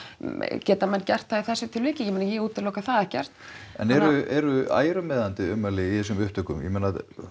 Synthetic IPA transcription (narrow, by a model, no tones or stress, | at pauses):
cɛːt̪amɛnːcɛr̥t̪θaiθɛsːɪt̪ʰɪlvɪːcɪjɛmenajɛuːt̪ʰːɪlɔːkaθaðɛhcɛr̥t̪ɛ̰nɛɾʏɛɾʏa̰ːjɾʏmɛːðant̪ɪʏmːalɪiθɛs̬ʏmʏhpt̪œkʏ̰mjɛ̰mɛnað